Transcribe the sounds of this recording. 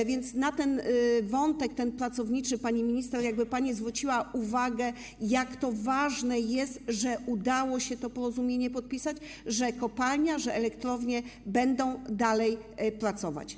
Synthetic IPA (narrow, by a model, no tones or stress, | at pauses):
vʲjɛnt̪snat̪ɛnvɔnt̪ɛk̚t̪ɛnpɾat̪sɔvɲit͡ʂɘpaɲimʲiɲist̪ɛɾjaɡ̚bɘpaɲizvɾut͡ɕiwaʔuvaɡɛ | jakt̪ɔvaʐnɛjɛst̪ʐɛud̪awɔɕɛt̪ɔpɔɾɔzumʲjeɲɛpɔt̪̚pʲisad͡ʑ | ʐɛkɔpalɲaʐɛʔɛlɛkt̪ɾɔvɲɛbɛnd̪ɔ̃w̃d̪alɛjpɾat̪sɔva̰t͡ɕ